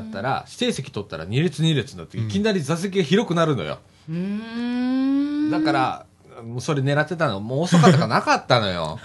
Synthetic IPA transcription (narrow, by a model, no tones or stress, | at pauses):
t̪ːaɾa̰ɕi̥t̪e̞ːse̞kʲi̥t̪o̞t̪ːaɾa̰ɲ̟iɾʲet͡sɨɲ̟ʲiɾʲet͡sɨnd̪at̪ːeikʲinaɾʲizas̬e̞k̬ʲiaçiɾo̞kɯ̟naɾɯ̟no̞̰jo̰ | d̪akaɾa̰ | moːso̞ɾe̞ne̞ɾat̪ːe̞t̪anomoːso̞kat̪ːaakanakat̪ːano̞jo̞̰